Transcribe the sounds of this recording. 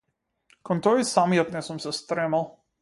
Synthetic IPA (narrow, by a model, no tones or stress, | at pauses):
kɔnt̪ɔjsamjɛt̪nɛsumsɛst̪ɾɛmalˠ